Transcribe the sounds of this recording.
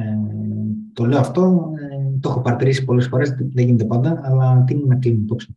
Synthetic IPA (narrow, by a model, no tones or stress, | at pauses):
t̪o̞le̞oɐft̪o̞ | t̪ooxopɐɾɐt̪iɾisi̥po̞lesfo̞ɾe̞sðeʝinet̪e̞pɐnd̪ɐɐlɐt̪ininɐkliniip̪o̞psi̥